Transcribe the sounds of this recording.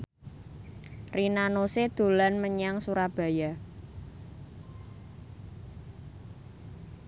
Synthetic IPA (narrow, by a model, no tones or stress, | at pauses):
rinanosed̪̥o̤lanməɲaŋsuɾab̥a̤ja